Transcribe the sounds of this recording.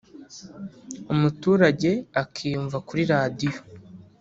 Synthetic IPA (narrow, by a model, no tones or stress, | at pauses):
umutuːɾaɟe̞akʰiːɱvakuɾiɾadijo̞